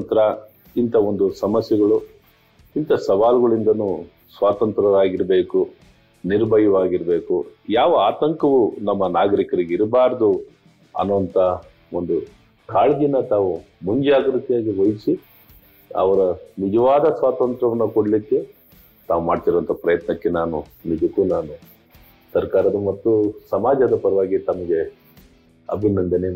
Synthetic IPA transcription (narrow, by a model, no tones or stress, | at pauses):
nt̪ɐɾɐ | int̪ʰɐo̞nd̪usɐmɐsjɛɡɐɭu | int̪ɐsɐʋaːluɡɐɭind̪ɐnu | sʋaːt̪ɐnt̪ɾɐʋaːɡiɾɐbe̞ːku | niɾbʱɐjɐʋaːɡiɾɐbe̞ːkujaːʋɐaːt̪ɐŋkɐʋunɐmːɐnaːɡɐɾikɐɾiɡeiɾbaːɾɐd̪u | ɐ̰nːuʋɐnt̪ɐ | o̞nd̪u | kaːɭɡinːɐt̪aːʋu | muɲd͡ʒaːɡɾut̪jaːɡiʋojsi | ɐ̰ʋɐɾɐnid͡ʒɐʋaːd̪ɐsʋaːt̪ɐnt̪ɾɐʋɐnːɐkoɽlikːe̞ | t̪aːʋumaːɖt̪iɾoʋɐnt̪ʰɐpɾɐjɐt̪nɐkːe̞naːnunid͡ʒɐkːuːnaːnu | sɐɾkaːɾɐd̪ɐmɐt̪ːusɐmaːd͡ʒɐd̪ɐpɐɾɐʋaːɡit̪ɐmɐɡe̞ | ɐ̰bʱinɐnd̪ɐne